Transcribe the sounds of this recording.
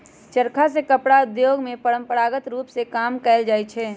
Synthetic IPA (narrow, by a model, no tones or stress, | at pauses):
t͡ʃəɾkʰasekəpɽaʊd̪joːɡmẽpəɾə̃mpəɾaːɡət̪ɾuːpsekaːmkɛːld͡ʒaːet͡ʃʰɛː